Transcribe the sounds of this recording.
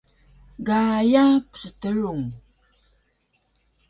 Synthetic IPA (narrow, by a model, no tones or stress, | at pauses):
ɡajapə̥sətəɻuŋ